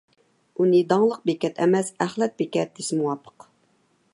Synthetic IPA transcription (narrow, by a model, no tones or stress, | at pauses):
unɨd̪ɑŋlˠəq̚bekʲɛt̪ʰɛmɛsæχlˠɛt̪̚bekʲɛt̪̚dɪsmuwɑpʰə̥q